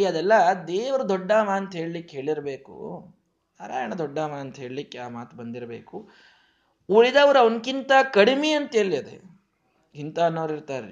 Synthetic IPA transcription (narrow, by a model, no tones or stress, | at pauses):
iɐd̪ɛlːɐd̪eːʋɐɾud̪ɔɖːaːmaːnt̪ɐɦe̞ːɭlikːeɦe̞ːɭiɾɐbeːkṵ | naːɾa̰ːjɐɳɐd̪ɔɖːaːmaɐnt̪ɐɦe̞ːɭlikːeaːmaːt̪ubɐnd̪iɾɐbeːku | uɾid̪ɐʋɐɾɐʋonkint̪ɐkɐɽimeɐnt̪eːliɐd̪ḛ | ɡint̪aɐnːɐʋɾiɾt̪aːɾ